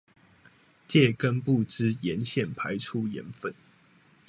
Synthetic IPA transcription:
t͡ɕjɛ˥˨˩kə˦npu˥˨ʈ͡ʂɻ̩˥˦jɛ˨˦nɕjɛ˥˩npʰa˨˦ɪʈ͡ʂʰu˦˥jɛ̰˨˦nfə˥˨n

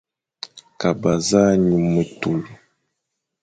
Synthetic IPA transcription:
ka˨ba˨za˦ɲu˨mə˨tu˨lu˨

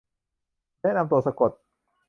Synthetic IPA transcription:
nɛː˥˨na˧mt̪u˧˩ɐsa˧ko˨˩t̪̚

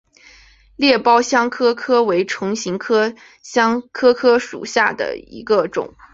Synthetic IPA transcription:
ljɛ˥˩pɑ˥ʊɕjɑ˥ŋkʰɤ˥kʰɤ˥we˧˥ɪʈ͡ʂʰʊ˧˥ŋɕi˧˥ŋkʰɤ˥ | ɕɑ˥ŋkʰɤ˥kʰɤ˥ʂṵ˨˩ɕja˥˩d̪ə̰˩ḭ˧˥ɡə˧ʈ͡ʂʊ̰˨˩˦ŋ

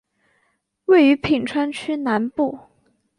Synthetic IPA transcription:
we˥˩ɪy˧˥pʰi˨˩ŋʈ͡ʂʰwa˥nt͡ɕʰy˥na˧˥npu˥˩

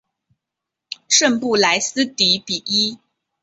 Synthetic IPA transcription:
ʂə˥˧npu˥˩la˧˥ɪsɹ̩˥t̪i˧˥pi˨˩ʔi˥

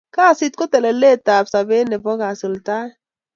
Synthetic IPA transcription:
ka˦˨si˦t̪̚kʊ˦t̪e˨le˨le˦˨t̪a˨bsa˨be˦ne˨bɔ˦ɣa˨sʊ˨lt̪a˦

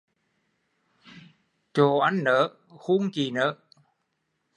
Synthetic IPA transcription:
t͡ɕo˨˩ʔa˧˦ŋnəː˨˦ | xu˧˥ŋt͡ɕi˨˩nəː˨˦

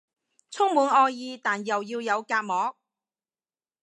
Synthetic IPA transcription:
t͡sʰʊ˥ŋmuː˨˧nʔɔː˧jjiː˧t̪aː˨˩njɐ˨wjiː˧wjɐ˨˧wkaː˧t̚mɔː˨˥k̚

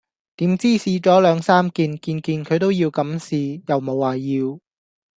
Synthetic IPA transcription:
t̪iː˨˥mt͡siː˥siː˨˧t͡ʃɔː˨˥lœː˨˧ŋsaː˥mkiː˧nkiː˧nkiː˧nkʰɵ˨˧ɥt̪o˥wjiː˧wkɐ˨˥msiː˨jɐ˨˩wmo˨˧wːaː˨˩jiː˧w

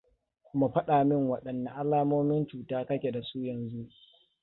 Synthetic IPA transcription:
mu˨ɸɐ˦ɗaː˨mɪ˦ŋwɐ˨ɗɐ˨nːa˨ʔa˦laː˦moː˦mɪ˦nt͡ʃuː˨taː˦kɐ˦kʲe˨da˨suː˦jɐ˨nzu˦ʔ

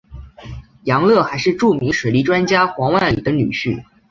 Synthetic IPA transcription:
jɑ˧˥ŋlɤ˥˩xa˧˥ɪʂɻ̩˥˧ʈ͡ʂu˥˩mi˧˥ŋʂwe˨˩li˧˥ʈ͡ʂwa˥nt͡ɕja˥xwɑ˧˥ŋwa˥˩nlḭ˨˩d̪ə˦ny̰˨˩ɕy˥˩

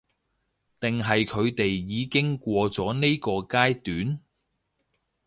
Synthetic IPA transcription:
t̪ɪ˨ŋɦɐ˨jkʰɵ˨˧ɥt̪e˨jːiː˨˧kɪ˥ŋkʷɔː˧t͡sɔː˨˥ne˥kɔː˧kaː˥jt̪yː˨˥n

